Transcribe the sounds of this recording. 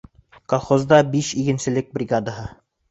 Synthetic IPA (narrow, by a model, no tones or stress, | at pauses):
kolˠχozd̪ɑbiʃikɘ̆nsɘ̆lɘk̚brʲiɡad̪aɦɤ